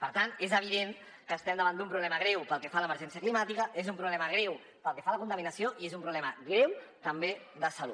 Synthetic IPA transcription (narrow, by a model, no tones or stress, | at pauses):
pəɾt̪ant̪ezəβ̞iðen | kəːst̪ɛmd̪əβand̪umpɾuβlɛməɣ̞ɾɛwpəlˠkefaləməɾʒɛnsiəklimat̪ikəezumpɾuβlɛməɣ̞ɾɛw | pəlˠkefaləkunt̪əminəsioʔiezumpɾuβlɛməɣɾewt̪əmbe | ðəsəlṵt̪